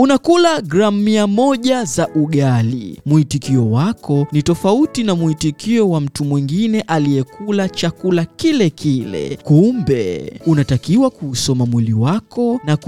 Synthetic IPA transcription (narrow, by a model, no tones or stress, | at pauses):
unakulaɡɾamiamɔʄazaʔuɠalḭmuhitikiɔwakɔnitɔfautinamuhitikiɔwam̩tumwiŋɡinɛʔalijɛkulat͡ʃakulakilɛkʰilɛ̰kumbɛ̰unatakiwakuːsɔmamwiliwakɔnak